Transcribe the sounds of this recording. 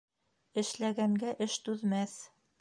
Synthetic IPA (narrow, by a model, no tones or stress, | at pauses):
ɘ̆ʃlæɡæŋɡæʔɘʃt̪ʉðmæθ